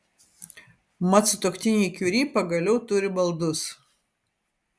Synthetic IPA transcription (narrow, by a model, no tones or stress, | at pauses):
mɐt̪sʊt̪oːkt̪ʲɪnʲiːkʲuɾʲiːpɐɡɐlʲɛʊt̪ʊɾʲɪbɐlˠd̪ʊs